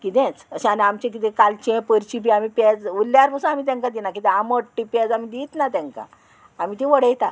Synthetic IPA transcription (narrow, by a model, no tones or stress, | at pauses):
kit̪ɛ̃t͡səɕẽanamt͡ɕẽk̬it̪ẽkalt͡ɕɛ̃pəɾt͡ɕip̬iamipɛd͡zulːjaɾpʰəsũamit̪ãŋkad̪inak̬it̪ɛ̃aməʈʈʈːipɛd͡zamid̪it̪nat̪ɛ̃ŋka̰ | amiːt̪iʋəɽəjt̪a